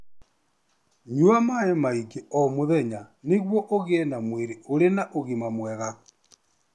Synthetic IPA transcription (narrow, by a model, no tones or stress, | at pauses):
ɲuamaemaiɡeɔmoðɛɲaneɣwɔʔoɣeɛnamweɾeoɾenaʔoɣimamwɛɣa